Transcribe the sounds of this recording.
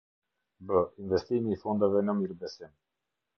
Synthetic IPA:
bəinvɛst̪imiːfɔnd̪əvɛnɔmiɾbɛsɛn

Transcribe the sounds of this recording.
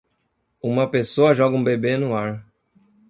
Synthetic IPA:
ũmɐpesoɐʒɔɡɐũbebenʊaɾ

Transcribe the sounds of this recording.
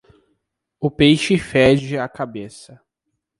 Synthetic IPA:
ʊpejʃɪfɛd͡ʒɪakabesɐ

